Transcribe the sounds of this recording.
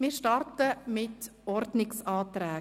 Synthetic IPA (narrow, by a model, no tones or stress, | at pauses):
mɪːɾʃtɑɾtəmɪtɔɾdnɪksɑːtɾɛː